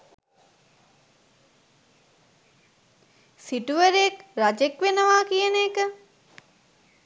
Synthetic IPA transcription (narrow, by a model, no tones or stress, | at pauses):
siʈuʋəɾeekrad͡ʒekʋenəʋaːkijəneːkə